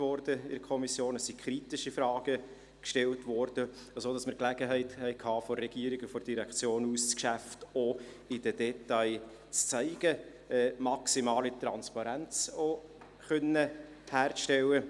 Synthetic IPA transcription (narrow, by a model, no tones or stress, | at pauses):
ʋɔrdəɪ̰dkʰɔmisjoːnəsikʰχɾitɪʃifrɑːɡ̥ə | kʃtɛltʋɔrd̥əɑsodɑsməɾklæɡəɦɛɪthɛɪkʰhɑːfɔrɛɡ̥iəɾiɡəfɔɾd̥iɾɛkʰt͡sjoːnuːst͡skʃæfto | ɪd̥ədɛtaɪ | t͡st͡sæɪɡ̥ə | ɛːmɑksimɑːlit̪rɑnspɑɾænt͡so | χœnə | hæːrʃtɛlːə